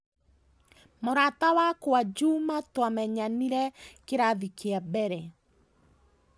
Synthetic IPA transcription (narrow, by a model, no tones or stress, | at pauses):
moɾatawakwad͡ʒumatwamɛɲaniɾɛkeɾaðikeabɛɾɛ